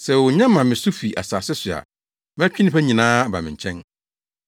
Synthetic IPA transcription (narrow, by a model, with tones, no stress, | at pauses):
sɛ˨wʊ˨ɲã˦mã˨mɪ̃˨sʊ˦fi˨ʔa̰˨saː˨sɪ˦sʊ˨a̰˨ | m̃˦t͡ɕᶣɪ˦nɪ̃˦pɛ˦ɲĩ˨nãː˦˨ba̰˨mɪ̃˨ɲ˨t͡ɕʰɛ̃˦n